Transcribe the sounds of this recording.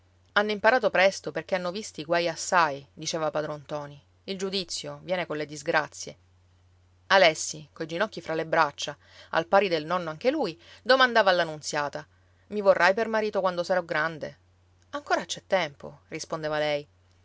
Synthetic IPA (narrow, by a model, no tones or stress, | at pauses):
anːoimpaɾaːt̪opɾɛst̪operk̟eanːovist̪iɡwajasːajd̪it͡ʃɛːvapad̪ɾont̪ɔːni | ild͡ʒud̪it̪sːjovjɛːnekonled̪izɡɾat̪sːje | alɛsːikojd͡ʒinɔk̟ːifɾʔalebɾat͡ʃːa | a̰lpaːɾid̪elnɔnːoaŋk̟elujd̪omand̪aːvaːlːanːunt̪sjaːt̪a | mivorːʔajpermaɾiːt̪okwand̪osaɾɔɡɾand̪e | aŋkoːɾat͡ʃɛt̪ːɛmpo̰rispond̪eːvalɛj